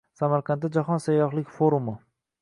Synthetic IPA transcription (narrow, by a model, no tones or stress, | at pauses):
samaɾqʰɑnt̪ːad͡ʒaχɒnsajːɒχlˠɪkʲfoɾumʊ